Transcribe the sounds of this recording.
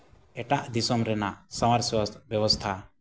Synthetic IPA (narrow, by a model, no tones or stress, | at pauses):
ɛʈaʔd̪isɔmɾɛnaʔsɔmaɾswɔbjɔwɔst̪ʰa